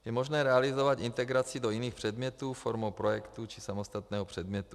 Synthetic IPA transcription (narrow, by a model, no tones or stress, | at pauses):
jɛmoʒnɛːɾɛalizovat̪int̪ɛɡɾat͡sidojiniːxpr̝̥ɛd̪mɲɛt̪uːfoɾmowpɾojɛkt̪ut͡ʃisamost̪at̪nɛːɦopr̝̥ɛd̪mɲɛt̪u